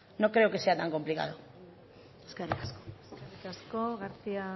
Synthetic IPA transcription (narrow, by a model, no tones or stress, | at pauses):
no̞kɾe̞okese̞at̪aŋko̞mplika̰ðo | eskerikaskoserikaskoɣaɾt͡sia